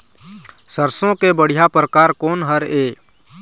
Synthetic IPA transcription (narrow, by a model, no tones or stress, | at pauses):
səɾsõkebəɽ̤ijapɾəkaːɾkoːnɦəɾeː